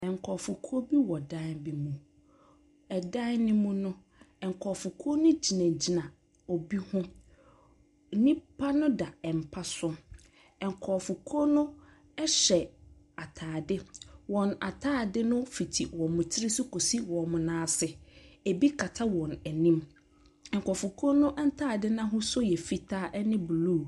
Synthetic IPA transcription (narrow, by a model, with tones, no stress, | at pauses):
ɛ̃˨ŋ̩˨kʰɔ˨fʊ˨kʰo˦bi˦wɔ˨dã˦bɪ˨mũ˨ | ɛ˨dã˦nɪ̃˦mʊ̃˦nʊ̃˦ | ɛ˨ŋ˨kʰɔ˨fʊ˨kʰo˦nʊ̃˦d͡ʑi˨nã˨d͡ʑi˨nã˨ | o˨bi˦hʊ̃˦ | nĩ˦pʰa˦nʊ̃˦da˨ɛ˨m̩˨pʰa˦sʊ˦ | ɛ˨ŋ̩˨kʰɔ˨fʊ˨kʰo˦nʊ̃˦ | ɛ˦ɕɛ˨ | a˨tʰaː˨dɪ˦wɔ̃˨na̰˨tʰaː˦˨dɪ˦nʊ̃˦fi˨tʰi˨wɔ̃˨mʊ̃˨t͡ɕʰɪ˦ɾɪ˦sʊ˦kʰo˨si˦wɔ̃˨mʊ̃˨nãː˦sɪ˨e˨bi˦kʰa˨tʰa˦wɔ̃˨nɛ˨nĩ˦m | ɛ̃˨ŋ˨kʰɔ˨fʊ˨kʰɔ˦nʊ̃˦ʔɛ˦n̩˦tʰaː˦˨dɪ˦nã˦ɦʊ̃˦sʊ˦jɛ˨fi˦tʰaː˦ʔɛ˦nɪ̃˦bluː˦˨